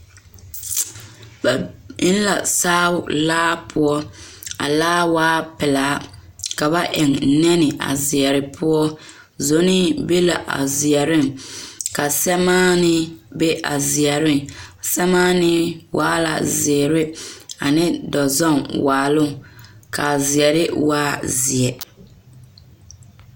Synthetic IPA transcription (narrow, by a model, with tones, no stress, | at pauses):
ba˨ɪ˦n˦la̰˨saː˦ʊ˨laː˦pʰʊ˦ɔ˦a̰˨laː˦waː˦pɪ˨laː˨˦ka˨ba˦ʔɛ˨ŋ̩˦nɛ˦nɪ˨ʔa̰˨zɪ˨ɛ˨ɾɪ˨pʰʊ˦ɔ˦ | zo˨nɪ˦be˦la˨ʔa̰˨zɪ˨ɛ˨ɾɪ˦˨ŋka˨sɛ˦maː˦nɪ˦be˦ʔa̰˨zɪ˨ɛ˨ɾɪ˦ŋsɛ˦maː˦nɪ˦wʔaː˦la̰˨zɪ˨ɛ˨ɾɪ˦a̰˨nɪ˦dɔ˨zɔ˦˨nwaː˨lʊ˦˨ŋ˨ka˨zɪ˨ɛ˨ɾɪ˦waː˦zɪ˨ɛ˨